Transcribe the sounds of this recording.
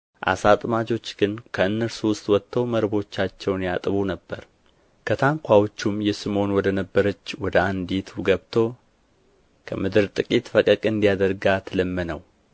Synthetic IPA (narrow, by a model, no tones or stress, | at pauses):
ʔa̰sat̪ʼmad͡ʒo̞t͡ʃːɡ̥ɨnkʰəɨnːəɾsuwʊst̪ʼwɔt̪ʰːəwməɾbo̞t͡ʃːat͡ʃːɛwnjat̪ʼɨβunəbːəɾ | kʰət̪ʰaŋkʷʰawt͡ʃːumjɛsɨmo̞nwɔd̪ənəbːəɾət͡ʃːwɔd̪əand̪it̪ʰuɡəβt̪ʰo̞ | kʰəmɨd̪ɨɾt̪ʼɨkʼit̪fəkʼəkʼɨnd̪ijad̪əɾɡat̪ʰələmːənəw